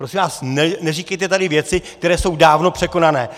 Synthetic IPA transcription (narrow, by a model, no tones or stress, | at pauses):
pɾo̞sɪmvaːsnɛnɛriːkɛjt̪ɛt̪adɪvjɛt͡sɪkt̪ɛɾɛːso̞wdaːvno̞pr̥ɛko̞nanɛː